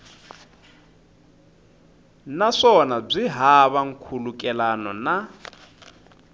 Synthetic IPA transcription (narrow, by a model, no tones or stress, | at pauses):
naʂɔnab͡ʐiɦaβaŋ̩kʰulukʼɛlanɔna